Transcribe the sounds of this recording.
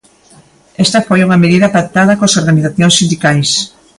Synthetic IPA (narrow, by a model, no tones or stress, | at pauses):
ɛst̪ɐfojuŋɐmeðiðɐpak̚t̪aðɐkosoɾɣaniθaθjõŋsind̪ikajs